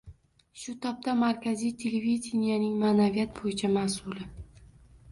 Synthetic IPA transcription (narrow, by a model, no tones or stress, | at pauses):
ʃʊt̪ʰɒp̚t̪amaɾkʲazijt̪ʲʰe̞levid̪ʲɪnijanɪŋmanavijat̪̚bojɪt͡ʃʰamasʊlɪ